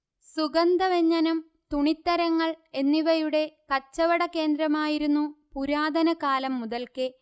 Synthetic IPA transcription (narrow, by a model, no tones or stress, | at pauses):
suɡɐnd̪ɐʋeɲːɐnɐm | t̪uɳit̪ːɐɾɐŋːɐɭe̞nːiʋɐjuɽe̞kɐt͡ɕːɐʋɐɽɐke̞ːnd̪ɾɐmaːjiɾunːupuɾaːd̪ʱɐnɐkaːlɐmːuðɐlkɨ